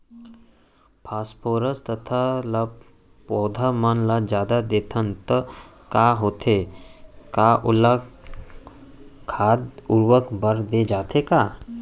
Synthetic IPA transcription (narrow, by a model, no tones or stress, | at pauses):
pʰaspʰoːɾəst̪ət̪ʰala | pɔːd̪ʱamənlad͡ʒjaːd̪ad̪eːt̪ʰənt̪ə | kaɦoːt̪ʰe | kaʔula | kʰad̪uɾʋəkbʱəɾd̪ed͡ʒaːt̪eka